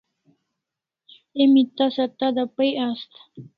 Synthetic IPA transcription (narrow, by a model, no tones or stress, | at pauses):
emit̪asat̪ad̪apəjast̪ḁ